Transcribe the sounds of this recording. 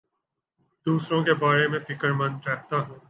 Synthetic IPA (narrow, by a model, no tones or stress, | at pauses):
d̪uːsɾõkebaːɾemẽfɪkəɾmɐ̃nɾɛɦt̪aɦũː